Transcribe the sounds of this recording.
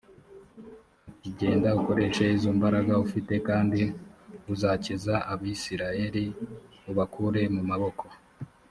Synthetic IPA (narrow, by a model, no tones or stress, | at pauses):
uciɟe̞ːndauko̞ɾe̞ʃe̞izombaɾaɡaufite̞kaːndiuzacizaʔaβisiɾaje̞ɾi | uβakʰuɾe̞mumaβo̞ko̞